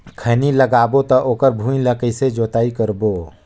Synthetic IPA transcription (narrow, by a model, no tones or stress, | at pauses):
kʰəniləɡaːbot̪ɐʔoːkəɾbʱũːĩləkəɪsed͡ʒoːt̪aːikəɾboː